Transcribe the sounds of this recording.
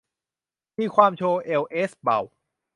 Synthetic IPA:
miː˧kʰwaː˧mt͡ɕʰoː˧ʔe˧wʔe˦˥sba̰˨˩w

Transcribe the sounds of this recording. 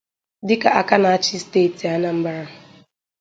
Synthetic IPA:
dɪ˦ka˨ʔa˦ka˦na˨a˦t͡ʃɪ˦ste˦˨ti˨a˦na˦m̩˦ba˦ɾa˦˨

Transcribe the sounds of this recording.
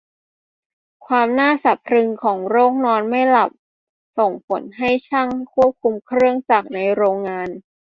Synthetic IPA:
kʰwaː˧mnaː˥˩sa˨˩p̚ʰɾɯ˧ŋkʰɔː˩˦ŋɾoː˥˩k̚nɔː˧nma˥˩jla˨˩p̚ | so˨˩ŋpʰo˩˦nɦa˥˩jt͡ɕʰa˥˩ŋkʰu˥˩əp̚kʰu˧mkʰɾɯ˥˩əŋsa˨˩k̚na˧jɾoː˧ŋːaː˧n

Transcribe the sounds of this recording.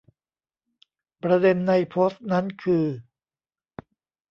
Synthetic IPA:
pɾa˧de˧nːa˧jpʰoː˦˥st̪̚na˦˥nkʰɯː˧

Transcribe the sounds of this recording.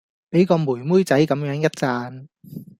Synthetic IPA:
pe˨˥jkɔː˧muː˨˩jmuː˥jt͡sɐ˨˥jkɐ˨˥mjœː˨˥ŋjɐ˥t̚t͡saː˧n

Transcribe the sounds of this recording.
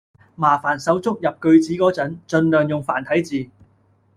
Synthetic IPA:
maː˨˩faː˨˩nsɐ˨˥wt͡sʊ˥k̚jɐ˨p̚kɵ˧ɥt͡siː˨˥kɔː˨˥t͡sɐ˨˥nt͡ʃɵ˧nlœː˨ŋjʊ˨ŋfaː˨˩nt̪ʰɐ˨˥jt͡siː˨

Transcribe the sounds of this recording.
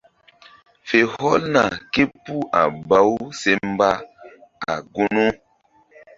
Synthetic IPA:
fe˨hɔ˦lna˨ke˦pu˦ʔa̰˨ba˨˦wse˦mba˦a̰˨ɡu˦no˦

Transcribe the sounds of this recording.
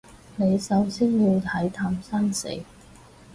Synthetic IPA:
ne˨˧jsɐ˨˧˥wsiː˥nji˨˧wt̪ʰɐ˨˥jt̪ʰaː˧msɐ˥nsḛ˨˥j

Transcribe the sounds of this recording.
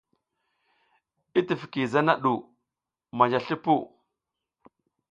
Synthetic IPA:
i˦ti˨fki˨za˦na˦ɗu˨ | ma˨d͡ʒa˨ɬi˦pu˦

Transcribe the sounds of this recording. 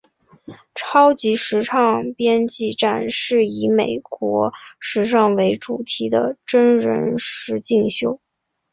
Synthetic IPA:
ʈ͡ʂʰɑ˥ʊt͡ɕi˧˥ʂɻ̩˧˥ʈ͡ʂʰɑ˥˩ŋpjɛ˥nt͡ɕi˥˧ʈ͡ʂa̰˥˧nʂɻ̩˥˩i˧˥me˨˩ɪkwɔ˧˥ʂɻ̩˧˥ʂ̬ɑ˥˩ŋwe˧˥ɪʈ͡ʂu˨˩t̪ʰi˧˥d̪ə̰˧ʈ͡ʂə˥nɻə̰˧˥nʂɻ̩˧˥t͡ɕi˥˩ŋɕjo˥ʊ

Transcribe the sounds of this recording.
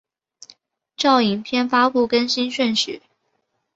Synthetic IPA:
ʈ͡ʂɑ˥˩ʊi˨˩ŋpʰjɛ˥˧nfa˥pu˥˨˩kə˥nɕi˥nɕɥə˥˧nɕy˨˩˦

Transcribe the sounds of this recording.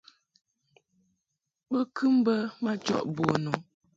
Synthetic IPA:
bə˦kʰʉ˦m˦bə˦ma˦t͡ʃɔ̰˦ʔbɔ˨nɔ˨

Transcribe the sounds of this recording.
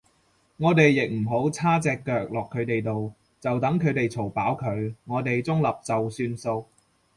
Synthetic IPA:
ŋɔː˨˧t̪e˨jːɪ˨k̚m̩˨˩ɦo˨˥wt͡sʰaː˥t͡sɛː˧kːœː˨˧k̚lɔː˨kʰːɵ˨˧˥t̪e˨jt̪o˨w | t͡sɐ˨wt̪ɐ˨˥ŋkʰɵ˨˧ɥt̪e˨jt͡sʰo˨˩wpaː˨˥wkʰɵ˨˧ɥŋɔː˨˧t̪e˨jt͡sʊ˥ŋlɐ˨p̚t͡sɐ˨wsyː˧nso˧w

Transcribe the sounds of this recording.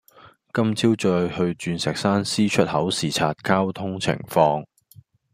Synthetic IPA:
kɐ˥mt͡sʰiː˥wt͡ʃɔː˧jhɵ˧ɥt͡ʃyː˧nsɛː˨k̚saː˥nsiː˥t͡ʃʰɵ˥t̚hɐ˨˥wsiː˨˩t͡sʰaː˨˧t̚kaː˥wt̪ʰʊ˥ŋt͡sʰɪ̰˨˩ŋfɔː˧ŋ

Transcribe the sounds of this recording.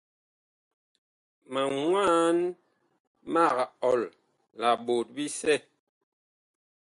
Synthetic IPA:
ma˨ŋwaː˦n | ma˦˨ɣa˨ɔ˨l | la˨ɓo˨t̚bi˦sɛ˦˨

